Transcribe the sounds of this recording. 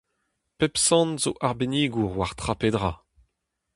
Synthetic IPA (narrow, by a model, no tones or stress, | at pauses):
pɛpsɑ̃nzoʔaʁbeniːɡuʁwaʁt̪χapedʁa